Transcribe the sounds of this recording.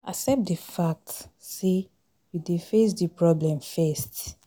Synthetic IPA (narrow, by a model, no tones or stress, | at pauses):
a̰sɛp̚tdəfak̚tse | judefes̬dipɹɔblɛ̃mfɛst